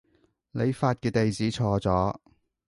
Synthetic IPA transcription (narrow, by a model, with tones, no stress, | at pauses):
le˨˧jfaː˧t̚kɛː˧t̪e˨jt͡siː˨˥t͡sʰɔː˧t͡sɔː˨˥